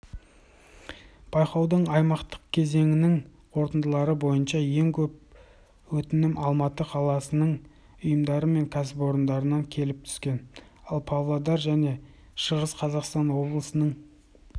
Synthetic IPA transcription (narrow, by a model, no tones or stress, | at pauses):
b̥ɑjqɑwd̪əɴɑjmɑqt̪ə̥qkʲʰe̞ze̞ŋɪnɪŋ | qʰo̞ɾt̪ənd̪əlˠɑɾəbo̞jənʃɑje̞ŋkʲʰɵp̚ | wɵt̪ɪnɪmʔɑlˠmɑt̪əqʰɑlˠɑsənəɴ | ʊjəmd̪ɑɾəme̞ŋkʲʰæs̬ɪpo̞ɾənd̪ɑɾənɑŋkʲʰe̞lɪp̚t̪ʰʏ̥skʲe̞n | ɑlˠpʰavlˠad̪ɑɾʒæne̞ | ʃəʁəsqʰɑzɑqst̪ɑnwo̞blˠəsənəɴ